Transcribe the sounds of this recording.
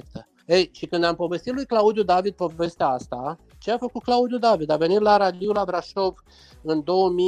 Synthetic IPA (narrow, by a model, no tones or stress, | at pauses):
k̚t̪ə | ejʃikɨnd̪ampo̞ve̞st̪it̪lujklaud̪jud̪avid̪̚po̞ve̞st̪eaast̪a | t͡ʃeafəkut̪̚klaud̪jud̪avid̪ave̞nit̪laɾad̪iulabɾaʃov | ɨnd̪o̞wəmi